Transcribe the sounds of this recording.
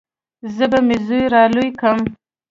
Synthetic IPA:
zəbamɪzujɾɑlujkəm

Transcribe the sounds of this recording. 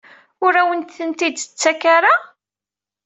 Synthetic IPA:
ʊɾæwənt̪θənt̪id̪t͡sːækaɾa

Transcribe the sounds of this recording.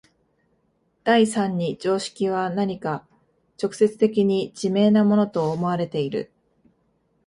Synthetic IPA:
d̪̥aisãɲ̟ːid͡ʑo̞ːɕi̥kʲiβ̞anaɲ̟ika | t͡ɕo̞kɯ̟̥se̞t͡sɨ̥t̪e̞k̬ʲiɲ̟id͡ʑime̞ːnamo̞no̞t̪o̞ːmo̞aɾe̞t̪e̞iɾɯ̟̰

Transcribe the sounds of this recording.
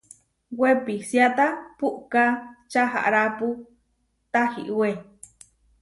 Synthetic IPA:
wepisjat̪apuʔkat͡ʃaɦa̰ʔɾapu | t̪ahḭʔwe

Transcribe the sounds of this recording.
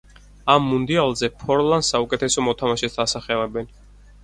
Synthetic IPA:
amːund̪ialˠzɛpʰɔɾlˠand̪saukʼɛt̪ʰɛsɔmɔt̪ʰamaʃɛt̪ʰd̪asaχɛlɛbɛn

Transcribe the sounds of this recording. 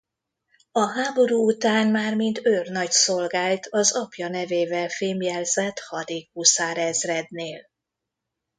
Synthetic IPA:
ɒɦaːbo̞ɾuːut̪aːnmaːrmint̪ørnɒcso̞lɡaːlt̪ɒzɒpjɒnɛveːvɛlfeːmjɛlzɛt̪hɒd̪eːkːuːsaːɾɛzrɛd̪neːl

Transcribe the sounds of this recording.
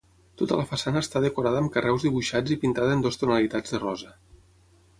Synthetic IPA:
t̪ot̪ələfəsanəːst̪aðəkuɾaðəːmkərɛwzðiβuʃad͡zipint̪aðənd̪ost̪unəlit̪ad͡zðərɔzə

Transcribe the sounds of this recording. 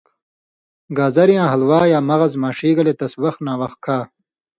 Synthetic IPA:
ɡaːzɐɾjãːɦɐlwaːjaːmɐɣɐzmaːʂiːɡɐlet̪ɐswɐxt̪naːwɐx̚kʰaː

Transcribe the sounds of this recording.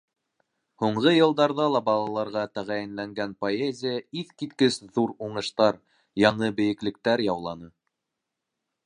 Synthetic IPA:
huɴɢɤjɤ̆lˠd̪ɑɾðɑlˠɑbɑlˠɑlˠɑɾʁɑt̪æʁæjɘ̆nlæŋɡænpoezʲɪjəiθkit̪kɘsðuɾuɴɤ̆ʃt̪ɑɾ | jɑɴɤbɘ̆jɘ̆klɘ̆k̚t̪æɾjɑwlˠɑnɤ

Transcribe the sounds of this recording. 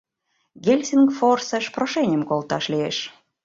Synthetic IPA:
ɡʲelʲsʲinɡforsəʃproʃenʲəmkolt̪ɑʃlieʃ

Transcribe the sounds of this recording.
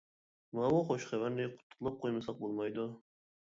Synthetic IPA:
mɑmʊχoʃχævæɾnɪqʰʊ̥t̪ʰːʊ̥qlˠɑp̚qʰojmɨsɑq̚bolˠmɑjd̪ʊ

